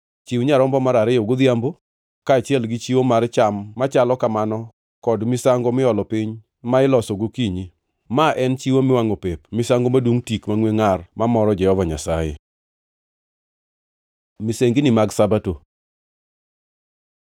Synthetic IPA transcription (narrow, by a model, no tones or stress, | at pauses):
t͡ʃiwɲaɾɔmbɔmaɾaɾɪjɔɡʊd̪jambo | kaːt͡ʃɪɛlɡɪt͡ʃiwomart͡ʃamːat͡ʃalɔkamanɔ | kɔdmɪsaŋɡomɪɔlɔpɪɲ | maɪlɔsɔɡokiɲi | maʔɛnt͡ʃiwomɪwaŋopepmɪsaŋɡomadwoŋtikmaŋweŋarmamɔɾɔd͡ʒɛhɔvaɲasajḛ | mɪseŋɡinɪmaɡsabato